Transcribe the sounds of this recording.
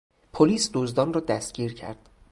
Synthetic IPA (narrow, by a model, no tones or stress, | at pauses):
pʰoliːsd̪ozd̪ɒːnrɒːd̪æst̪̚ɡ̥ʲiːɾcʰæ̰ɾd̪̥